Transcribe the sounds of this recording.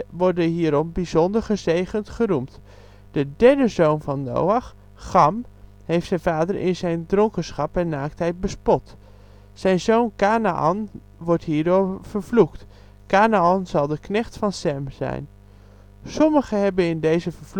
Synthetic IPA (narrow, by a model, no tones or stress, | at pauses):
ʋɔɹdəɦiːɾɔmbizɔndəɹχəzejχəntχənumt | d̥ədɛɹdəzownvɑnːo̰wɑχː | ɑm | hejftsɛjnvaːdəɹʔɪ̰nzɛjndrɔŋkənsχɑpɛnːaːk̚tɦɛjt̚bəspɔt | sɛjnzownkaːnaʔɑ̰n | ʋɔɹtɦiːɹdoːɹv̥əɹvlukt | kaːnaɑnzɑlˠdəknɛχtfɑnsɛmzɛ̰jn | sɔməχəɦɛbənɪndejzəvəɹv